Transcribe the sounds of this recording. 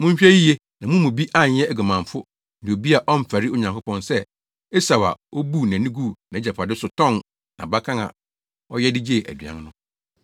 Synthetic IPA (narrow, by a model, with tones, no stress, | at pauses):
mʊ̃˦ɲ̩˦ɕᶣɛ˦ji˦je˦ | nã˨mũ˦mũ˨bi˦ʔa˦˨ɲ˨˦ɛ˦æ˨ɡu˨mã˨ɱ˨fʊ˦ | nĩ˨o˨bi˦a˨ʔɔ˦m̩˨fæ˨ɾi˦o˨ɲã˨ŋkʰʊ˦pʰɔ̃˦nsɛ˦ | e˦sa˨wa̰˨o˦bu˦˨nã˨nĩ˦ɡu˦nã˨e˦d͡ʑɛ˨pʰa˨dɪ˦sʊ˨tʰɔ̃˦˨n | nã̰˨ba˦kʰã˦ŋa̰˨ | ɔ˦jɛ˦dɪ˦d͡ʑe˦˨ʔæ̰˨dɥã̰˦nnʊ̃˦